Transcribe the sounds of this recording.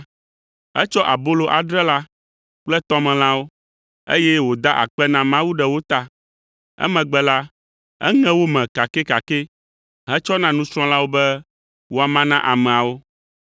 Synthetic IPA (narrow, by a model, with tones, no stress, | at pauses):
ɛ˦t͡ʃɔ˦ʔa˨bo˦lo˨ʔa˨ɖɾɛ˦la˦ | k͡plɛ˦t̪ɔ˦mɛ̃˨lã˦wo˦ | ḛ˦jɛ˦wo˨d̪a˦ʔa̰˨k͡pɛ˦nã˦mã˦wu˦ɖɛ˨wo˦t̪a˦ | ɛ̰˦mɛ̃˨ɡ͡bɛ˦la˦ | ɛ̰˦ŋɛ̃˦wo˦mɛ̃˨ka˨kɛ˦ka˨ke˦ | ɦɛ̃˦t͡ʃɔ˦nã˦nũ˦sɾ̃ɔ̃˦la˦wo˦bɛ˦ | wo˦˨a˨mã˦nã˦ʔa˨mɛ̃˨a˨wo˦